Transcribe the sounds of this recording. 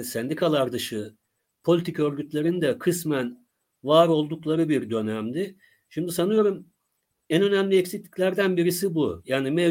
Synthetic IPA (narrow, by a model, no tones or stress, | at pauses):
sɛnd̪ikʰalˠaɾd̪ɯʃɯ | pʰo̞lʲit̪ʰicø̞ɾɟyt̪lʲeɾind̪ɛkʰɯsmæn | vaːɾo̞lˠd̪uklˠaɾɯbiɾd̪ø̞næmd̪ɪ | ʃimd̪isanɯjo̞ɾum | ænø̞næmlʲiɛcsiclʲi̥cʲlʲæɾd̪ænbiɾisibujaːnimɛ